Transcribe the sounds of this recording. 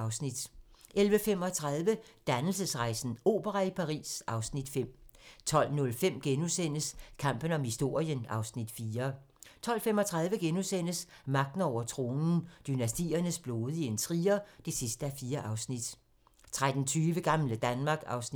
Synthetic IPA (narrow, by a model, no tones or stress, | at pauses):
ɑʊsnid̥ʔelʋəfem̰ɒ̽t͡sʰʁɑð̞ˠʋəd̥ænl̩səsʁɑ̈ɪsn̩o̝̰ːb̥əʁɑipʰɑ̈ʁḭːsʔɑ̈ʊsnid̥fem̰t͡sʰɒ̽l̰nɔ̽lfem̰ɡ̥enusen̰əskʰɑ̈m̰b̥ən̩ɒ̽mhisd̥o̝ɐ̰jənɑ̈ʊsnid̥fiːɐ | t͡sʰɒ̽l̰fem̰ɒ̽t͡sʰʁɑ̈ð̞ˠʋəɡ̥enusen̰əs | mɑ̈ɡ̥̚d̥n̩ɒʊ̰ɐt͡sʰʁo̝ːnn̩d̥ynæsd̥ḭːɐnəsb̥loːðˠient͡sʰʁiːɐd̥e̝sisd̥əæfiːɐʔɑ̈ʊsnid̥ | t͡sʰʁad̥n̩t͡sʰyːʋəɡ̥ɑ̈mləd̥ænmɑ̈ɡ̥ɑ̈ʊsn